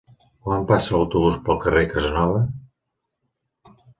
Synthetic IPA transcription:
wampasələwt̪uβuspəlˠkərekəzənɔβə

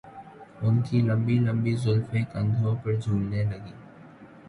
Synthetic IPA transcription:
ʊnkilə̃mbilə̃mbizʊlfeːkə̃nd̪ʱõpəɾd͡ʒʱuːlnelɐɡiː

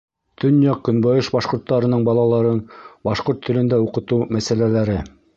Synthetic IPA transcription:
t̪ɵ̆njɑq̚kːɵ̆nbɑjɤʃbɑʃqŏɾt̪ːɑɾɤ̆nɤɴbɑlˠɑlˠɑɾɤnbɑʃqoɾt̪ʰːɵ̆lɘ̆nd̪æuqɤ̆t̪umæsælælæɾɘ

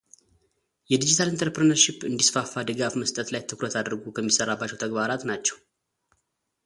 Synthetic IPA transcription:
jɛd̪id͡ʒit̪ʰalɨnt̪ʰəɾpɾənəɾʃipːɨnd̪isfafːad̪ɨɡafməst̪ʼət̪lajt̪ʰɨkɾət̪ʰad̪ɾɡukʰəmːisərːabːat͡ʃːɛwt̪ʰəɡbaɾat̪nat͡ʃːɛw

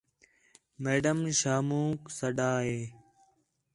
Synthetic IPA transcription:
meːɖəmʃaːmũːksəɖaːɦeː

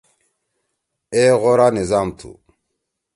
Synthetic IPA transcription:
eɣɔɾanizamt̪ʰṵ

